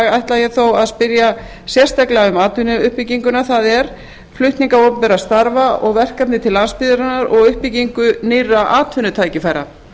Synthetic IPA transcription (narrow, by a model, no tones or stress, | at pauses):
ɣajht̪lajɛθowaðspɪɾja | sjɛr̥st̪ajklaʏmaːt̪ʰvʏnʏʏhpiciŋkʏnaθaðɛɾ̥ | flʏht̪niŋkaowpʏmpɛɾast̪aɾvaɔɣvɛr̥kap̪nɪt̪ʰɪlanspɪðʏɾanaɾɔɣʏhpiciŋkʏnɪrːaʔaːt̪ʰvʏnːʏt̪ʰaːjcɪfajɾa̰